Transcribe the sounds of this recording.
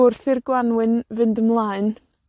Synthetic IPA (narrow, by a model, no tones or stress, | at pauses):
ʊrθɪrɡwanwɪnvɨndəmlˠaːɨn